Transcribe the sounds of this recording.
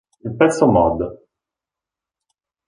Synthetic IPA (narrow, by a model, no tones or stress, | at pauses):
ilpɛt̪sːomɔd̪